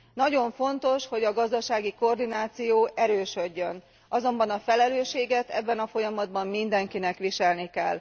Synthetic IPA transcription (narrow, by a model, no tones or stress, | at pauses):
nɒɟo̞ɱfo̞nt̪o̞ʃho̞ɟɒɡɒzd̪ɒʃaːɡiko̞rd̪inaːt̪sijoːʔɛɾøːʃøɟːøn | ʔɒzo̞mbɒnɒfɛlɛløːʃeːɡɛt̪ɛ̰bːɛnɒfo̞jɒmɒd̪bɒmːind̪ɛŋkinɛkʋiʃɛlnikɛlː